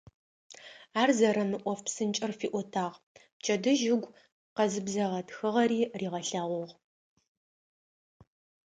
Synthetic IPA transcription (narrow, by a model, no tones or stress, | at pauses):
aːrzɐɾɐmɨʔʷɔfpsɨnt͡ʃʼɪrfiːʔʷɔtʰaːʁ | pt͡ʃʰɐdɨʒɪɡʷ | qɐzɨbzɐʁɐtxɨʁɐɾiːriːʁɐɬaːʁʷɔʁ